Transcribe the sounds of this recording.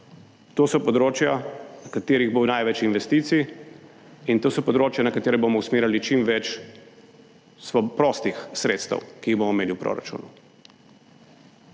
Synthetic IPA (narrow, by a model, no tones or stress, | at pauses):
t̪oːsɔpɔd̪ɾoːt͡ʃjanɐkat̪eːɾiɣbownajʋɛt͡ʃinʋɛst̪iːt̪si | int̪oːsɔpɔd̪ɾoːt͡ʃjanɐkat̪eːɾɛbomɔusmeːɾjalit͡ʃimʋɛt͡ʃ | sɔpɾɔst̪ixsɾeːt̪st̪ə̰wkiːɣbomɔmeːliwpɾo̰ːɾa̰t͡ʃṵːnu